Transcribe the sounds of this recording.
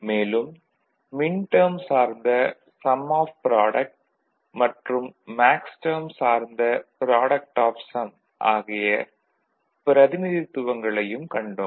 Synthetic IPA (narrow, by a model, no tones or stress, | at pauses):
meːlɯmː | ɪɳʈɐːmsaːɾnd̪ɐ | sɐmaːfpɾaːɽɐk̚ʈ̚ | mɐʈrɯmːaːksʈɐːmsaːɾnd̪ɐpɪɾaːɽɐk̚ʈaːfsɐm | ʔa̰ːɣɪjɐ | pɪɾɐðɪnɪðɪt̪ːʊʋɐŋɡɐɭɐjɯmkɐɳɖoːm